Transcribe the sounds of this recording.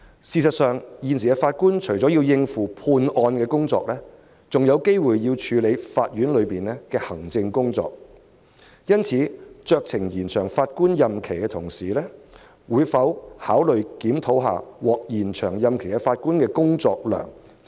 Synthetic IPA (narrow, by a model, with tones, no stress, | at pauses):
siː˧sɐ˨t̚sœː˨ŋjiː˨˩ns̬iː˨˩ɛ˧faː˧t̚kuː˥nt͡ʃʰɵ˨˩jt͡sɔ˨˥ji˧wjɪ˧ŋfuː˨˩pʰuː˧nʔɔː˧nkɛː˧kʊ˥ŋt͡sɔː˧k̚lɛː˥ | t͡sʊ˨ŋjɐ˨˧wke˥jwuː˨jːiː˧wt͡ʃʰyː˨˧le˨˧jfaː˧t̚jyː˨˥nlɵ˨˧ɥpiː˨nɛ˥kɛː˧hɐ˨˩ŋt͡sɪ˧ŋkʊ˥ŋt͡sɔ̰ː˨k̚ | jɐ˥nt͡sʰiː˨˧t͡sœː˧k̚t͡sʰɪ˨˩ŋjiː˨˩nt͡ʃʰœː˨˩ŋfaː˧t̚kuː˥njɐ˨mkʰe˨˩jkɛː˧t̪ʰʊ˨˩ŋsiː˨˩lɛ˥ | wuː˨˧jfɐ˨˥whaː˨˥wlɵ˨ɥkiː˨˥mt̪ʰo˨˥wɦa̰ː˨˩wɔː˨˩k̚jiː˨˩nt͡ʃʰœː˨˩ŋjɐ˨mkʰe˨˩jkɛ˧faː˧t̚kuː˥nkɛː˧kʊ˥ŋt͡sɔː˧k̚lœ̰ː˨˩ŋ